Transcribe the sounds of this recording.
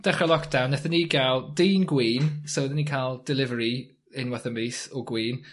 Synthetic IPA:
d̥ɛχalˠɔkd̥awnːɛθəniɡalˠdiːnɡwiːnsɔwðəniːkʰalˠd̥ɪlˠɪvəɾi | ɪnwaθəmiːsɔɡwiːn

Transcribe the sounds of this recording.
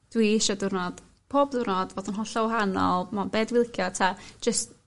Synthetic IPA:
d̥wiʃadʊrnɔd̥ | pʰoːbdʊrnɔdvoːdənɦɔɬɔwɦanɔ̰lˠmanbeːdwɪlˠkʰjɔtʰḁd͡ʒəst

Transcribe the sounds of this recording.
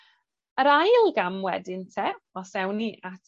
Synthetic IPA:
əɾajlˠɡamwɛdɪntʰɛ | ɔsɛwniʔatʰ

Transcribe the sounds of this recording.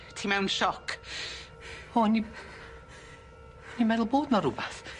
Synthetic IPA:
tʰimɛwnʃɔkʰ | oːni | nimɛðʊlˠboːdnɔɾʊbaθ

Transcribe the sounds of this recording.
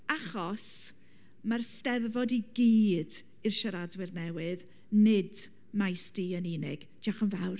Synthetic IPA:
aχɔs | marstɛðvɔdiɡiːd | ɨrʃaɾadwɪrnɛwɨð | nɪd | majstiəniːnɪɡ̥d͡ʒ̥aχənvawr

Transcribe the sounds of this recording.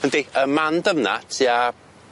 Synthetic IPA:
əndeəmandəmna̰tʰja

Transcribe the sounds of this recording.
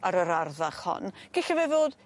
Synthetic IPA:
aɾəɾarðaχhɔ̰nɡ̥ɪɬavɛvoːd̥

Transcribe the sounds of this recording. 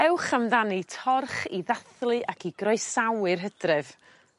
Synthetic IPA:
ɛwχamdanitʰɔrχiðaθlˠɨʔakʰiɡrɔɨsawɨrɦədrɨv̥

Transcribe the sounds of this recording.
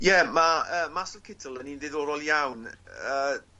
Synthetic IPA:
jɛmaəːmasəvkʰɪtʰəlˠənindɪðoːɾɔlˠjawnə

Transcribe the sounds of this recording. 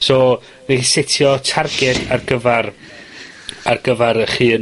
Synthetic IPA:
soː | nesɪtʰjɔtʰarɡɛdarɡəvar | arɡ̥əvaɾəχɨːn

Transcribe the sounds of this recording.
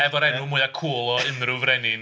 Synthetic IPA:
ɛvɔɾɛnumuːɨakʰuːlˠɔɨnrʊvrɛnɪn

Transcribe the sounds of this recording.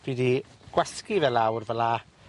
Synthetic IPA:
d̥idiɡ̥wɛskivɛlawrvəla

